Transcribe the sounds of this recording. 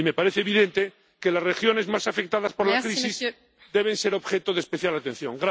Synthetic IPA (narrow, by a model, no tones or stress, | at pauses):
ime̞paɾeθeβiðent̪e | kelazrexjo̞ne̞zmasafek̚t̪aðaspo̞ɾlakɾisiz | d̪e̞βe̞nse̞ɾo̞βxet̪oðespeθjalat̪ẽ̞n̟θjo̞̰ŋɡɾa